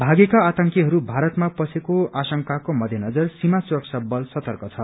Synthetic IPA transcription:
bʱaɡekaːt̪ʌŋkiɦʌɾubʱaɾʌt̪mapʌsekoasʌŋkakomʌd̪ʱjʌnʌd͡zʌrsimasuɾʌksʌbːʌlsʌt̪ʌrkʌt͡sʰʌ

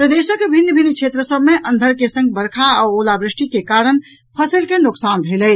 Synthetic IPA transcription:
pɾəd̪eːʃəkbʱinːəbʱinːəkʰʃʰeːt̪ɾəsəbmeʔənd̪ʱəɾkesə̃ŋɡ̚bəɾkʰaaolabɾɪʂʈikekaɾəɳ | pʰəsəlkenʊksaːnbʱelə

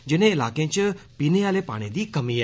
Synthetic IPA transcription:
d͡ʒɪnẽɪlaːkẽt͡ʃpiːneaːlepa̰ːɽ̃id̪iːkɐmiː

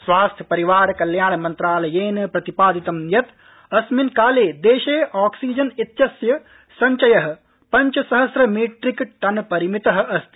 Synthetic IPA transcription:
sʋaːst̪ʰjɐ̥pɐɾiʋaːɾkɐljaːɳ̃ɐmɐnt̪ɾaːlɐjeːnɐpɾɐt̪ipaːd̪it̪ɐmjɐt̪ | ɐsminkaːleːd̪eːʃeːʔaːksiːd͡ʒɐnit̪jɐsjɐ | sɐɲt͡ʃɐjɐɦɐ̆ | pɐɲt͡ʃɐsɐɦɐsɾɐmiːʈɾikʈɐnpɐɾimit̪ɐɦɐ̆ʔɐst̪ʰi̥

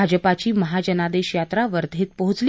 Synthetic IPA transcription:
ad͡ʑəpat͡ɕiːməɦad͡ʑənad̪eɕjat̪ɾaʋəɾd̪ʱeːt̪̚pəɦut͡sl

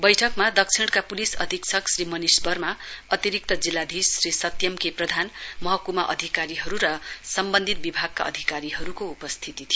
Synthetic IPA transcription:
bʌjʈʰʌkmad̪ʌk̚t͡sʰiɽ̃kapulisʌ̰d̪ʱiksʰʌksɾimʌnisbʌrmaʌt̪iɾik̚t̪ʌd͡zilːad̪ʱisːɾisʌt̪jʌmkeprʌd̪ʱanmʌɦʌkumaʔʌ̰d̪ʱikaɾiɦʌɾuɾʌsʌmbʌnd̪ʱit̪̚bibʱaɡ̚ka̰ʌ̰d̪ʱikaɾiɦʌɾukoupʌst̪ʰit̪it̪ʰij

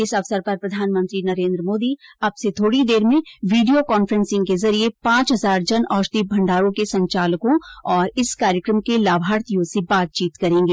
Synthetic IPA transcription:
ɪsɐʋsəɾpɐɾpɾɐd̪ʱaːnmə̃nt̪ɾinɐɾẽːnd̪ɾəmoːd̪iɐbset̪ʰoːɽid̪eːɾmẽʋiːɖijokɔːnfəɾə̃nsɪ̃ŋɡkezɐɾiepãːt͡ʃɦɐzaːɾd͡ʒɐnɔːɾʃt̪iːbʱɐ̃ɳɖaːɾõkesɐ̃ɲt͡ʃaːləkõɔːɾɪskaːɾjəkɾəmkelaːbʱaːɾt̪ijõsebaːt̪̚t͡ʃiːt̪kɐɾẽːŋɡeː

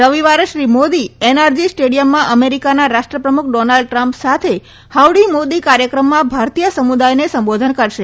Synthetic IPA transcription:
ɾəʋiʋaɾʃɾimod̪ienaɾd͡ʒisʈeɽijəmːãʔəmeɾikanaɾaʃʈɾəpɾəmukʰɖɔnalɖ̚ʈɾãmpsat̪ʰe | haʋɽimod̪ikaɾjəkɾəmːãbʱaɾt̪ijəsəmud̪ajnesəmbod̪ʱənkəɾʃe

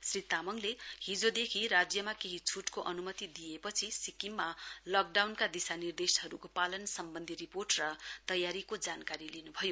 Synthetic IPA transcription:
srit̪amʌŋlehid͡zod̪ekʰiɾad͡zjʌmakeɦit͡sʰuʈkoʔʌnumʌt̪id̪ijepʌt͡sʰisikimmːalʌk̚ɖawnkad̪isanird̪esɦʌɾukopalʌnsʌmbʌnd̪ʱiriporʈrʌt̪ʌjaɾikod͡zankaɾilinubʱʌjo

